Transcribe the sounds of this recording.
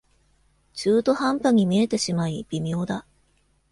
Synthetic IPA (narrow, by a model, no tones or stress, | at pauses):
t͡ɕɨːt̪o̞hãmpaɲ̟imʲie̞t̪e̞ɕimaib̥ʲimʲo̞ːd̪a